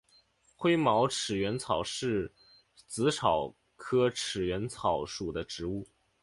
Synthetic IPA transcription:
xwe˥ɪmɑ˧˥ʊʈ͡ʂʰɻ̩˨˩ɥɛ˧˥nt͡sʰɑ˨˩ʊʂɻ̩˥˩ | t͡sɹ̩˧˥ʈ͡ʂʰɑ˨˩ʊ | kʰɤ˥ʈ͡ʂʰɻ̩˨˩ɥɛ˧˥nt͡sʰɑ˨˥ʊʂu˨˩d̪ə˦ʈ͡ʂɻ̩˧˥u˥˩

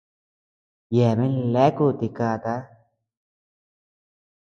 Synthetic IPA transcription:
jeː˨me˦nlɛː˦ku˨t̪i˨kaː˧˨t̪a˦

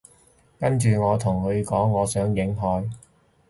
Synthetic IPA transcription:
kɐ˥nt͡ʃyː˨ŋɔː˨˧t̪ʰʊ˨˩ŋkɵ˨˧ɥkɔː˨˥ŋːɔː˨˧sœː˨˥ŋjɪ˨˥ŋɦɔː˨˧j

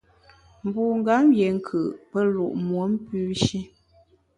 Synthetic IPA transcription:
m̩˨bu˨ŋ̩˦ɡa˨˦mje˨ŋ̩˦kʰɯ˨ʔpə˦lu˨ʔmwo˨˦m̩˦pʉ˦ʃi˦

